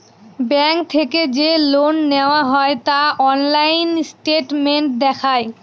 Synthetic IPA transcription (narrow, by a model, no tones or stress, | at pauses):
bɛŋk̚t̪ʰeked͡ʑelonːeoaɦɔet̪aɔnlajnsʈeʈmeɳʈ̚d̪ɛkʰae